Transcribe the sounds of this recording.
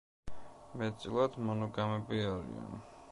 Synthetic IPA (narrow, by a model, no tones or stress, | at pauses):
mɛt̪sʼilˠad̪mɔnɔɡamɛbiaɾḭa̰n